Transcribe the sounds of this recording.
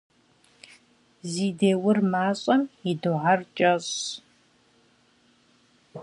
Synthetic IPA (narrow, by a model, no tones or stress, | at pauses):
ziːdeːwʊrmaːɕʼɐmiduʕart͡ʃʼɐɕ